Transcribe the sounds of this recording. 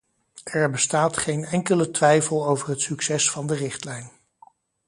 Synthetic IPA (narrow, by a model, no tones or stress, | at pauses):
ɛɹbəstaːtχejnɛŋkələtʋɛjfəlˠowvərɦətsɵksɛsfɑndərɪχtlɛjn